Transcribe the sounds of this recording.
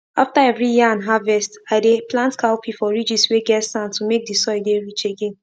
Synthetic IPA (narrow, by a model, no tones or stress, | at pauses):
aftaɛvɹijiãnɦavɛstaɪdeplãntkʰaʊpʰifɔɹid͡ʒisweɡɛtsãntumek̚disɔɪdeɹit͡ʃeɡẽn